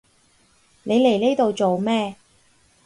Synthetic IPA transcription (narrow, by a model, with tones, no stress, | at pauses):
ne˨˧jle˨˩jne˥jt̪o˨wt͡so˨wmɛː˥˩